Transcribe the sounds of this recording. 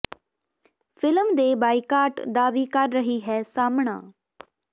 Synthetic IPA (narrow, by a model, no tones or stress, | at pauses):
fʰɪlmd̪eːbaːikaːʈd̪aːʋiːkəɾːəɦiːɦɛːsaːmɳã̰ː